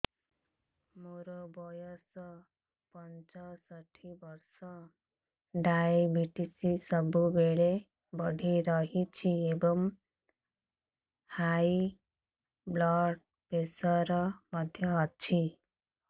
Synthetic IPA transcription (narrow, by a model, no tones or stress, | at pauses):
moɾobɔjɔs | pʌnt͡ʃɔsʌʈʰibʌɾsʌ | ɖajbʱiʈisisʌbubeɭe | bʌɖʱiɾʌɦit͡ʃʰiebʌm | haj | blɔɖ | pesɔɾʌmʌd̪ʱjʌɦʌt͡ʃʰi